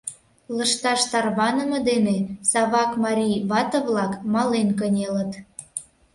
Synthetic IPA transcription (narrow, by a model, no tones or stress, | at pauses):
ləʃt̪ɑʃt̪ɑrβɑnə̆mɤ̆d̪enesɑβɑkmɑɾʲijβɑt̪ə̆βlɑkmɑlenkənʲelət̪